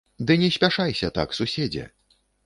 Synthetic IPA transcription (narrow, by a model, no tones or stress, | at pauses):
d̪ɨnʲɛsʲpʲaʂajsʲɐt̪a̰ksusʲed͡zʲɛ̰